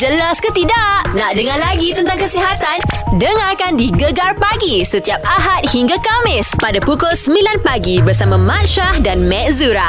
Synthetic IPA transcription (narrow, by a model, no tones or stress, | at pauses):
d͡ʒəlaskət̪idaʔnaʔdəŋarlaɡit̪ənt̪aŋkəsiɦat̪andəŋarkandiɡəɡarpaɡisət̪iap̚aɦat̪̚hiŋɡakamɪspadapukʊlsəmilanpaɡibərsamãmãt̪ʃahdanmɛ̃ʔzuɾa